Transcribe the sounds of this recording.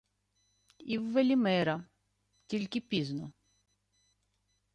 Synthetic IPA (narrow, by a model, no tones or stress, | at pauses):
iwːelʲimɛɾɐ | tʲilʲkɪpʲiznɔ